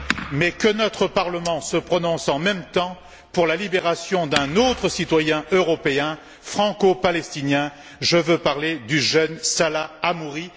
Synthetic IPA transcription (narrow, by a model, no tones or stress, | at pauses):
mɛkənɔt̪χəpaʁləmɑ̃səpχɔnɔ̃sɑ̃mɛmt̪ɑ̃ | puʁlalibeʁasjɔ̃d̪ɛ̃not̪χəsit̪wajɛ̃øʁɔpeɛ̃ | fχɑ̃kopalɛst̪injɛ̃ | ʒəvøpaʁled̪yʒœnsalaːmuʁi